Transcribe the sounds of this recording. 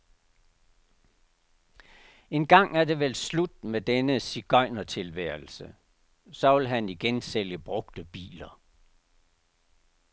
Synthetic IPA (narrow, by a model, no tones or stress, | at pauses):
e̝nɡ̥ɑ̈ŋ̰æɐd̥e̝ʋelslud̥med̥enəsiɡ̥ɒɪ̰nɐt͡sʰe̝lʋæɐ̰l̩sə | sɒ̽ʋe̝lɦæniɡ̥enseljəb̥ʁɔ̽ɡ̥̚d̥əb̥ḭːlɐ